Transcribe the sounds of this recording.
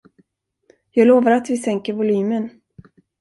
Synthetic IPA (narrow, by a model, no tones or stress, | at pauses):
jɑːɡloːvaɾat̪vɪsɛŋkəɾvʊlyːmən